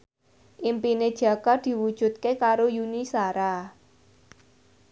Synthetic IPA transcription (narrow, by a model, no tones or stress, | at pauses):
ʔimpined̥ʒ̥a̤kɔd̪̥i̤wud̥ʒ̥ṳt̪̚kekaɾojunisaɾa